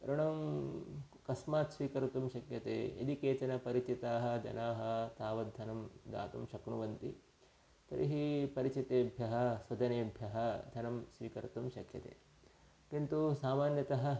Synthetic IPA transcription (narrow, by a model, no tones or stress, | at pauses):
ɾuɳɐm | kɐsmaːt̪sʋiːkɐɾut̪umʃɐkjɐt̪ḛːḛd̪ikeːt͡ʃɐnɐpɐɾit͡ʃit̪aːɦɐ̆d͡ʒ̪ɐ̰naːɦɐ̆t̪aːʋɐd̪ʱɐnɐmd̪a̰ːt̪umʃɐknuʋɐnt̪i | t̪ɐ̰ɾʔḭɦipɐɾit͡ʃit̪eːbʱjɐɦɐ̆sʋɐd͡ʒ̪ɐneːbʱjɐɦɐd̪ʱɐnɐmsʋiːkɐɾt̪umʃɐkjɐ̰t̪ḛː | kint̪usaːmaːnjɐt̪ɐɦɐ̆